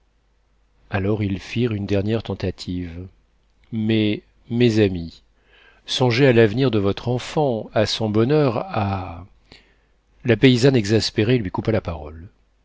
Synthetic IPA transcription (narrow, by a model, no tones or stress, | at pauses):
alɔʁilfiʁynd̪ɛʁnjɛʁt̪ɑ̃t̪at̪ʰiv | mɛ | mɛzami | sɔ̃ʒealavniʁd̪əvɔt̪χɑ̃fɑ̃asɔ̃bɔnœʁa | lapeizanɛɡzaspeʁelɥikupalapaʁɔl